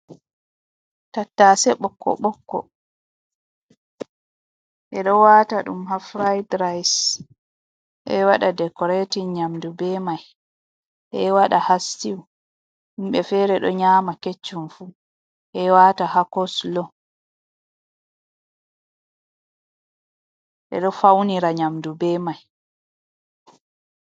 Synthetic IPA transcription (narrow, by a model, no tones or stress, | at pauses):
tatːasɛɓɔkːɔ̰ɓɔkːɔ̰ | ʔɛɗɔwaːtaɗumɦafɾajdɾajs | ʔɛwaɗadɛkɔɾatiɲamdubɛmaj | ʔɛwaɗahastiw | ɗumɓɛfɛːɾɛɗɔɲaːmaket͡ʃːumfu | ʔɛwatahakɔslɔ | ʔɛ̰ɗɔfawniɾaɲamdubɛmaj